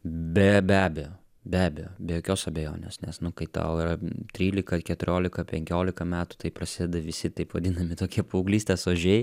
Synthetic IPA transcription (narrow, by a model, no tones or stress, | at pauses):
bʲɛbʲæːbʲɛjoː | bʲæːbʲɛjoːbʲɛjoːkʲoːsɐbʲejo̰ːnʲḛːsnʲɛsnʊkɐɪt̪ɐ̰ʊɪrɐt̪ʲɾʲiːlʲɪkɐkʲɛt̪ʊɾʲoːlʲɪkɐpʲɛŋʲkʲoːlʲɪkɐmʲæːt̪ʊ̥t̪ɐɪpɾɐsʲɪd̪ʲɛd̪ɐʋʲɪsʲɪt̪ɐɪpʋɐd̪ʲɪnɐmʲɪt̪oːkʲiɛpɐʊɡlʲiːsʲt̪ʲeːsoːʒʲɛɪ